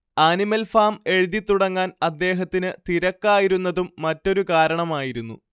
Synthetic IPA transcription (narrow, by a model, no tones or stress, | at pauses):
aːnimɐlfaːme̞ɻiðit̪ːuɽɐŋːaːnɐd̪ːe̞ːɦɐt̪ːinɨt̪iɾɐkːaːjiɾunːɐðumːɐtːo̞ɾukaːɾɐɳɐmaːjiɾunːṵ